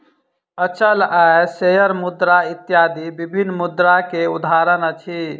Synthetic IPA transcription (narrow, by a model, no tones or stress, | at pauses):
ət͡ʃəlaesejəɾmud̪ɾait̪ːjad̪ʱibibʱinːmud̪ɾakeud̪ʱaɾənət͡ʃʰi